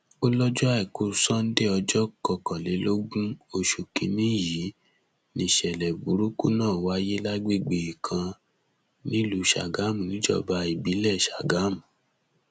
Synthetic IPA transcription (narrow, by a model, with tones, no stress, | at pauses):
o˦lɔ˦d͡ʒɔ˦ɛ˦˨ko˨˧˦sɔ̃˦n̩˦de˦˨ɔ˧d͡ʒɔ˦kɔ˧˨kɔ˨le˨˦lo˦ɡũ˦o˧ʃu˨ki˧nĩ˦ji˨˦ | nĩ˧˨ʃɛ˨lɛ˨bu˨˦ɾu˦ku˦nãː˦˨wa˦je˦la˦ɡ͡be˦˨ɡ͡be˨i˨kʰã˧ | nĩ˦lu˨˧˦ʃa̰˨ɡa˨˦m̃˨nĩ˨˦d͡ʒɔ̰˦˨ba˧i˨bi˨˦lɛ˦˨ʃa˨ɡa˨˦mu˨